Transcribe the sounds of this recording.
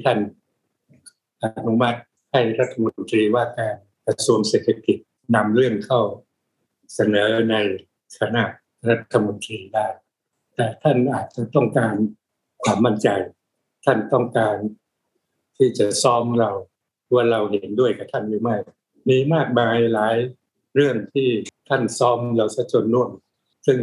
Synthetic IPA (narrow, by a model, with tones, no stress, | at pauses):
i˥˩t̪ʰa˥˩n | ʔa˨t̪̚nu˦˥ma˦˥t̪̚ | ha˥˩jɾa˦˥t̪ʰːa˧mo˧nt̪ɾiː˧waː˥˩kaː˧n | kɾa˧su˧əŋseː˨˩t̪ʰːa˧˩ki˨˩t̪̚ | na˧mɾɯ˥˩əŋkʰa˥˩w | sa˧nɤː˩˦na˧j | t̪ʰa˧na˧˩ʔ | ɾa˦˥t̪ʰːa˧mo˧nt̪ɾiː˧daː˥˩j | t̪ɛː˨˩t̪ʰa˥˩nʔaː˨˩t̪̚t͡ɕa˨˩t̪ɔ˥˩ŋkaː˧n | kʰwaː˧˩mːa˥˩nt͡ɕa˧j | t̪ʰa˥˩nt̪ɔ˥˩ŋkaː˧n | t̪ʰiː˥˩t͡ɕa˨˩sɔː˦˥mɾa˧w | waː˥˩ɾa˧wɦe˩˦ndu˥˩əjka˨˩t̪ʰa˥˩njuː˧˦ma˥˩j | miː˧maː˥˩k̚maː˧jlaː˩˦j | ɾɯ˥˩əŋt̪ʰiː˥˩t̪ʰa˥˩nsɔː˦˥mla˧wsa˧˥t͡ɕʰo˧nːu˥˩əŋ | sɯ˥˩ŋ